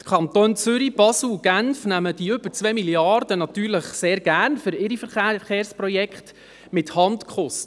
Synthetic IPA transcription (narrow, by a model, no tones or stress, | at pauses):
kʰχɑnt̪oːnt͡sʏɾib̥ɑsl̩ɡ̥ænfnæməd̥iʏbəɾt͡sʋɛmiljɑɾdənɑtyːɾləχseːɾɡ̥æːɾnfʏɾɪɾifəɾχχeːɾsprɔjɛkχt | mɪthɑntkʰχɔst